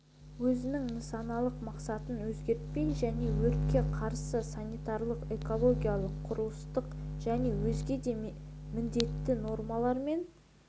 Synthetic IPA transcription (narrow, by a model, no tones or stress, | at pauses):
wɵzɪnɪŋnəsɑnɑlˠəqmɑqsɑt̪ənwɵzɡʲe̞ɾt̪̚pe̞jʒæne̞wɵɾt̪̚kʲe̞qʰɑɾsəsanijt̪ɑɾlˠəqe̞ko̞lˠo̞ɡʲijalˠəqʰːʊɾuəst̪əqʒ̥æne̞wɵzɡʲe̞d̪e̞mɪnd̪e̞t̪ːɪno̞ɾmɑlˠɑɾme̞n